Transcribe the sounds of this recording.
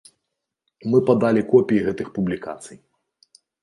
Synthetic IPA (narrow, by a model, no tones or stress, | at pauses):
mɨpad̪alʲikɔpʲijiɣɛt̪ɨxpublʲika̰t̪sɨj